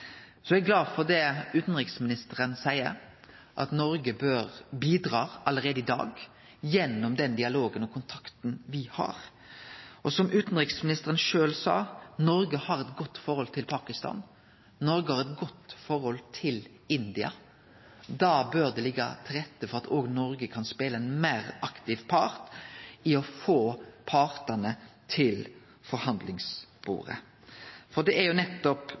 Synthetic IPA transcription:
sɔæɡlɑːd̪fɔʁd̪ɛʉːt̪n̩ɾɪksmɪnɪst̪əʁənsæɪəɾ | ʔɑ̰t̪nɔɾɡəbøːɾbiːd̪ɾɑːɑləʁeːd̪əɪd̪ɑ̰ːɡ | jɛnːɔmd̪ɛnd̪ɪɑloːɡənɔkʰʊnt̪ʰɑ̥kt̪n̩ʋɪhɑ̰ːɾ | ʔɔsɔmʉːt̪n̩ɾɪksmɪnɪst̪əʁənʂøːlsɑ̰ːnɔɾɡəhɑɾɛt̪ɡɔt̪ːfɔɾhɔlt̪ʰɪlpʰɑːkɪst̪ɑ̰ːn | nɔɾɡəhɑʁɛt̪ɡɔt̪ːfɔɾhɔlt̪ʰɪl | ɪnd̪ɪɑ̰ | d̪ɑːbøːɾd̪ɛlɪɡːɑ̰t̪ʰɪlʁɛt̪ːəfɔʁɑt̪ʰoːɡnɔɾɡəkʰɑnspeːləɛnmæɾɑkt̪ɪʋpʰɑʁt̪ɪɔfoːpʰɑːʁt̪ənət̪ʰɪl | fɔɾhɑnd̪lɪŋsb̥ṵːɾə̰ | fɔʁd̪ɛæɾjʊnɛt̪ːɔp

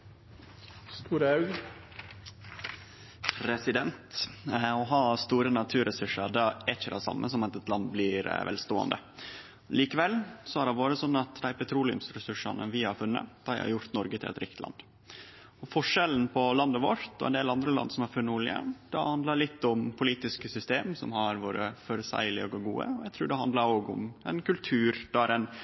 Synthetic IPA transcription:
st̪uːɾəɑʉɡ | ɾɛsɪd̪ɛnt̪ɔɦɑːst̪uːɾənɑt̪ʰʉːɾɛsʉʂɑɾɖ̪ɑɛt͡ʃːəɾæsɑ̰mːə̰sɔmɑt̪ɛt̪lɑnd̪blɪɾʋɛ̰lst̪oːɑ̰nd̪ə̰ | liːkəʋɛlsɔæɾhɑʋoːɾəsɔnːɑt̪d̪æɪpɛt̪ʰɾuːlɪʉ̰msɾɛsʉʂɑ̰nəʋɪhɑɾfʉnːə̰d̪̥æɪhɑ̰ɾjʊɾt̪nɔɾɡət̪ʰɪlɛ̰t̪ɾɪkt̪lɑ̰nd̪ | ɔfɔʂɛln̩pʰɔlɑnd̪əʋoɾt̪ɔɛ̰nd̪eːlɑnd̪ɾəlɑ̰nd̪sɔmhɑɾfʉnːəuːɭɪə̰md̪̥ɛ̰hɑnd̪lɑɾlɪt̪ːʊmpʰʊliːt̪ɪskəsʏst̪eːmsɔ̰mhɑɾʋoːɾəfœɾsæ̰ɪlɪoɡɔɡuːə̰ɔjɛɪt̪ʰɾʉːɖɛhɑnd̪lɑɾoːɡʊ̰mɛnkʉlt̪ʰʉːɾd̪ɑæɾɛn

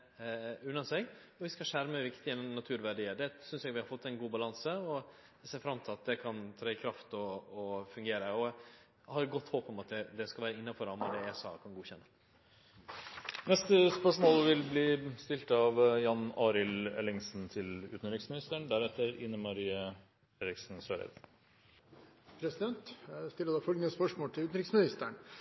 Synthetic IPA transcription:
ʉnːɑnsɛɡɔʋɪskɑʂæɾməəʋɪkt̪ɪɛnːmnɑt̪ʰʉːɾʋæɖiːəɖɛsʏnsjɛɡʋɪhɑɾfɔt̪ːɛnɡuːbɑlɑnsəɔ | seːɾfɾɑmːt̪ɪlɑt̪̚d̪ɛkʰɑnt̪ʰɾɑɪkʰɾɑft̪ɔɔfʉŋɡeːɾəɔ | hɑɾɛɡɔt̪ːhoːpɔmɑt̪̚d̪ɛd̪ɛskɑlʋæːɾəɪnːɑfɔɾɑmɛd̪ɛæsɑ̰ːkʰɑnɡuːçɛnːə | nɛst̪əspəʂmoːlʋɪlbliːst̪ɪlt̪ɑʋjɑnɑːɾɪlɛ̰lɪŋsnt̪ʰɪlʉːt̪n̩ɾɪksmɪnɪst̪əɳd̪æɾɛt̪ːəɾɪnːəmɑɾiːə | feːɾɪksn̩søɾɛ̰d̪ | pʰɾɛsɪd̪ɛnt̪st̪ɪlːəd̪ɑfɔɡənəspœʂmoːlt̪ɪlʉːt̪n̩ɾɪksmɪnɪst̪əɳ

